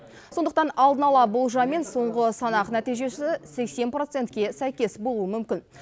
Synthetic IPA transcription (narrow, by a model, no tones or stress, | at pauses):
so̞nd̪əqt̪ɑnɑlˠd̪ənɑlˠɑbolˠʒɑme̞nso̞ɴʁəsɑnɑqnæt̪ijʒe̞sɪse̞kse̞npro̞t̪se̞nt̪kʲe̞sæjkʲe̞sbo̞lˠuəmʏmkʲɪn